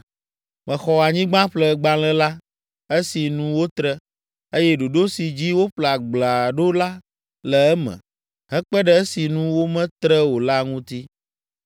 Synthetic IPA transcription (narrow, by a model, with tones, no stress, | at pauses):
mɛ̃˨xɔ˨a˨ɲĩ˦ɡ͡bã˦ɸlɛ˦ɡ͡ba˦lɛ̃˦la˦ | e˦si˨nũ˦wo˦t̪ɾə˦ | e˦jɛ˦ɖo˨ɖo˦si˨d͡ʑi˦wo˦ɸla˨ɡ͡bla˨ɖo˦la˦ | lɛ˨ɛ˦mɛ̰̃˨ | ɦɛ̃˦k͡pɛ˦ɖɛ˦ɛ˦si˨nũ˦wo˦mɛ̃˦t̪ɾɛ˦wo˨la˦ŋũ˦t̪i˦